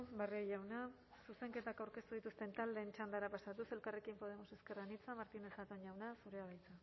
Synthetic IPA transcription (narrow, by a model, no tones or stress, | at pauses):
bareojawna | suse̞ŋke̞t̪akawɾke̞st̪uðit̪ust̪e̞nt̪ald̪e̞ːnt͡ʃand̪aɾapasat̪use̞lkare̞kimpo̞ðe̞mo̞se̞skerɣanit͡samaɾt̪ine̞sat̪o̞ɲjawnasuɾeaβajt͡sa